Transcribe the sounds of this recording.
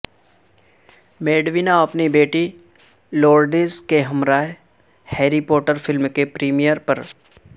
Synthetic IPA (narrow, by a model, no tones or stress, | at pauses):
meːɖʋinaɐpnibeːʈi | loːɾɖizkeɦɐmɾaːe | heːɾipɔːʈəɾfɪlmkepɾiːmijəɾpɐɾ